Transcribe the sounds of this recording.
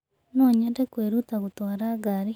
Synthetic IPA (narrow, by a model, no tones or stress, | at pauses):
noɲandekweɾut̪aɣut̪oaɾaɡaɾi